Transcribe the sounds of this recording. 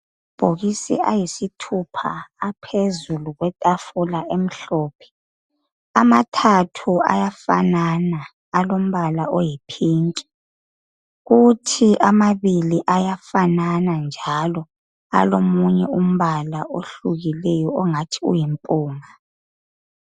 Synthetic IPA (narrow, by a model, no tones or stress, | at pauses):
b̥ʱoɣisɛ̰ʔa̰jisitʰupʰa̰ːpʰezuluɣwɛtʼafulaʔem̩ɬɔːpʰɛ̥ | amatʰatʰua̰jafa̰nanaː | lom̩βalaʔojipʰiːŋkʼɛ̥ | ɣutʰiʔamaβiliʔajafananand͡ʒʱalɔ | a̰lomuɲɛum̩βalaʔoɬuɣilɛjɔɔŋatʰiṵjimpʼuːŋa